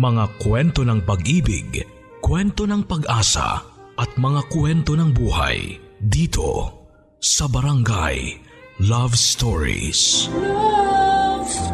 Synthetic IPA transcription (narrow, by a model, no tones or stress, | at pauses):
mɐŋakwɛnt̪o̞nɐŋpɐɡʔiːbɪ̰ɡ | kwɛnt̪onɐŋpɐɡʔaːsɐ̰ʔɐt̪̚mɐŋakwɛnt̪o̞nɐŋbuːha̰j | d̪iːt̪ʰo̞̰ | sɐbɐɾɐŋɡa̰j | lavst̪oɹḭs